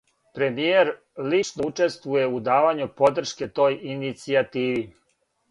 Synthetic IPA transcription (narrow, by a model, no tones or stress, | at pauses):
pɾe̞mijeɾ | lit͡ʂnout͡ʂe̞st̪ʋuje̞ud̪aːʋaɲupo̞d̪r̩ʃke̞t̪o̞ːjinit̪siat̪iːʋi